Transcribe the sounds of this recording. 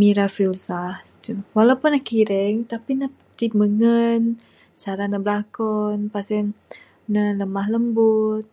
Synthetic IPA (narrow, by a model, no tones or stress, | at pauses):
miɾafilsaht̪uwalawpʊnːakiɾɛŋt̪apina | t̪ip̚məŋən | saɾanəbəlakɔnpasɛn | nələmahləmbʊt̪̚